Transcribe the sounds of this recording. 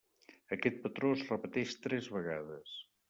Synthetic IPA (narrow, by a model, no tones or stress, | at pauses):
əkɛt̪̚pət̪ɾozrəpət̪ɛʃt̪ɾɛzβəɣaðəs